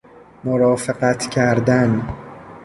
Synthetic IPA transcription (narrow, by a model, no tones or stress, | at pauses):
moɾɒːfeɢæt̪ʰcʰæɾd̪æn